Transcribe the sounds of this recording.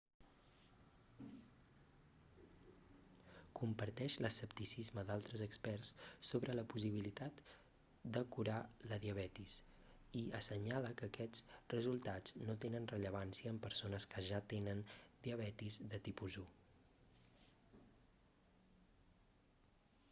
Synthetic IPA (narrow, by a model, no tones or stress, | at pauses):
kumpəɾt̪ɛʃləsəpt̪isizməd̪alˠt̪ɾəzəkspɛrsːoβɾələpus̬iβ̞ilit̪at̪ | d̪əkuɾaləðiəβ̞ɛt̪is | iəsəɲaləkəːkɛd͡zrəzulˠt̪ad͡znot̪enənrəʎəβansiəːmpəɾsonəskəʒat̪enənd̪iəβ̞ɛt̪izd̪ət̪ipuzu